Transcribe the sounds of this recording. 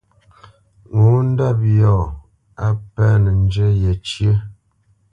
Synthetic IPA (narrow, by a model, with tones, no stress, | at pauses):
ŋo˨˦n̩˦da˦˨p̚jɔ˦˨ | a˦pɛ˦nə˨n˦d͡ʒə˦je˨t͡ʃjə˦